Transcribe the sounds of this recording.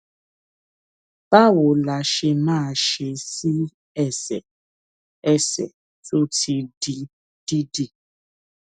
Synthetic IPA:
b̥a˦wo˨la˨ʃe˧mãː˦˨ʃe˨si˦ | ɛ˦sɛ̰˨ | ɛ˦sɛ̰˨ | to˦ti˨di˦ | d̥i˦di˨

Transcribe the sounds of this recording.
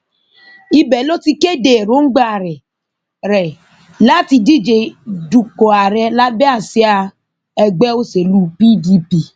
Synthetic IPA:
i˧bɛ˨lo˦ti˧ke˦˨de˨ɾo˦ŋ̩˦ɡ͡ba˦˨ɾɛ˨ | ɾɛ˨ | la˦ti˧di˦˨d͡ʒe˨du˨kɔ˨a˨ɾɛ˧la˦bɛ˦a˦˨si˦a˧ | ɛ˧ɡ͡bɛ˦o˦se˨lu˦pi˦di˦pi˨

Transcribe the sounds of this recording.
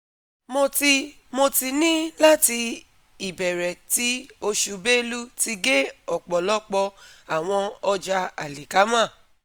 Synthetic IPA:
mo˧ti˧ | mo˧ti˧nĩ˦la˦ti˧ | i˨bɛ˨ɾɛ˨ti˦o˧ʃu˧be˦˧lu˦ti˧ɡe˦ɔ˨k͡pɔ˨lɔ˦k͡pɔ˧a˨w̃ɔ̃˧ɔ˧d͡ʒa˧a˨li˨ka˨˦mã˦˨

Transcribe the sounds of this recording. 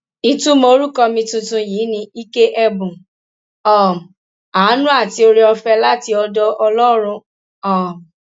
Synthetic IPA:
i˦tũ˦mo˧ɾu˦kɔ˧mĩ˧tũ˧tũ˧ji˨˦nĩ˧i˦ke˦ʔɛ˧bũ˨ | ɔ˨ | a˨˦nũ˦a˦˨ti˧˦o˧ɾi˦ɔ˧fɛ˧la˦ti˦ɔ˧dɔ˧ʔɔ˧lɔ˦ɾ̃ũ˧ | ɔ˦˨

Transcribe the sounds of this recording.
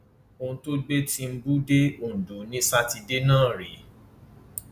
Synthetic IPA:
o˧ũ˧to˦ɡ͡be˦ti˧m̩˦bu˦de˦õ˨du˨˦nĩ˦sa˦ti˧de˦nãː˦˨ɾe˨˦

